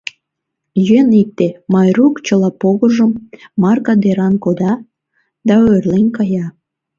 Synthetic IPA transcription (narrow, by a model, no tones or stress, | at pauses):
jyenik̚t̪emɑjrukt͡ɕəlɑpoɣəʒəmːɑrkɑd̪eɾɑnkod̪ɑ | d̪ɑørlenkɑjɑ